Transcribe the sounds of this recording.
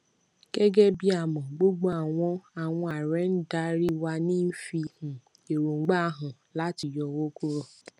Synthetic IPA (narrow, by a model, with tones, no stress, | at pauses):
ɡ̥e˦ɡɛ˦bi˦a˨mɔ̃˨ɡ͡bo˦ɡ͡bo˦a˨w̃ɔ̃˦a˨w̃ɔ̃˦a˨ɾɛ˨˦n̩˦da˦ɾi˦wa˧nĩ˦m̩˦fi˧hũ˨ | e˨ɾo˨ŋ͡m̩˦ɡ͡ba˦ɦʊ̃˨ | la˦ti˨jɔ˧wo˦ku˦ɾɔ˦˨